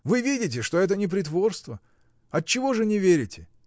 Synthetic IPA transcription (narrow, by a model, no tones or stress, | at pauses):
vɨvʲidʲɪt̬ʲɪʂt̪o̞ɛt̪̬ənʲɪp̬ɾʲɪt̪vo̞rst̪və | ɐt̚t͡ɕːɪvo̞ʐɨnʲɪvʲeɾʲɪtʲɪ